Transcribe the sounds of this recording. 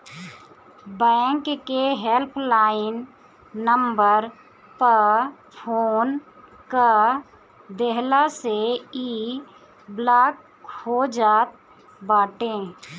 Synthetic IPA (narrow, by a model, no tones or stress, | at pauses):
bɛ̃ːŋkkeɦelpʰlaːɪnː | əmbəɾ | pə | pʰoːn | ka | d̪eɦlaseiː | blaːk | hod͡ʒaːt̪̚ | baːʈẽː